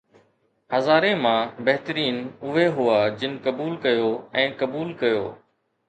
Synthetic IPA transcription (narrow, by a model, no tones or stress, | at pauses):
həzaːɾẽːmãːbɐɦt̪əɾiːnʊɦeɦʊaːd͡ʑɪnkəbuːlkəjoːɛ̃ːkəbuːlkəjoː